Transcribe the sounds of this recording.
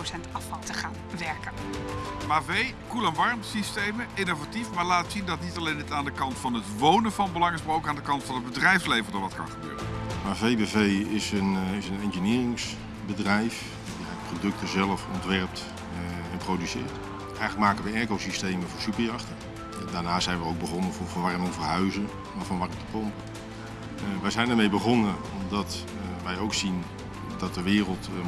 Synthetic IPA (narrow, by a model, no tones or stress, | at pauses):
osɛntɑfɑlˠtəχaːnʋɛɹkənmaːvej | kulɛnʋɑɹmsistejməɪnovatifmaːɹlaːtsindɑtnitɑlejnətaːndəkɑntfɑnɦətʋownənvɑnbəlɑŋəsbrowkaːndəkɑntfɑnɦəd̚bədrɛjfslejvəɹdɑnʋɑtkɑ̰nχəbø̰ːrə̰nmaːvejbevejɪsənɪsənɛnʒənɪːrɪŋs | bədrɛjf | iɛdprodɵk̚təzɛlˠəfɔntʋɛɹəp̚t | ɛnprowdysɪ̰ːɹt | ɛjɣənləkmaːkənʋəjɛːkowsistejməvʊːɹsypəɹjɑχtə | daːɹnaːsɛjnʋəowɡ̚bəχɔnənvʊvɔnʋarɛnovərɦœɥzən | avɔnʋarəmtə̥pɔmpə | ʋɛjzɛjnəɹmejbəχɔnəɔmdɑt | ʋɛjowksin | dɑt̚dəʋɪːrəlˠt